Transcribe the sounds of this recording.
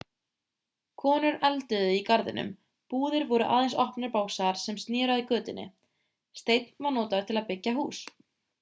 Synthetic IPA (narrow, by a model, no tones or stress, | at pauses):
kʰɔːnʏɾɛlt̪ʏðʏikaɾðɪ̰nʏ̰m | puːðɪɾvɔɾʏʔa̰ːðejnsɔhpnʏɾpaːwsaðaɾ̥sɛmst̪nɪːɾaðikœːt̪ɪnːɪ̰ | st̪ejt̪nvaɾnɔːt̪aʏɾ̥t̪ʰɪlaðpɪcːaɦuːs